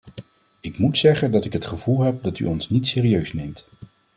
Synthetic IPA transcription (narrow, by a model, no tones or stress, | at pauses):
ɪkmutsɛχəndɑtɪkɦətχəv̥ulˠɦɛp̚dɑty̰ɔnsnitsɪːriøɥsnejmt